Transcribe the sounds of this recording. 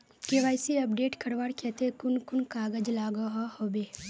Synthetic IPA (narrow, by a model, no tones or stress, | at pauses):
keʋaːjsiɐpɖeːʈkʰəɾʋaːɽkʰɛːt̪ekʊnkʊnkaːɡəd͡ʒlaːɡaɦahoːbeː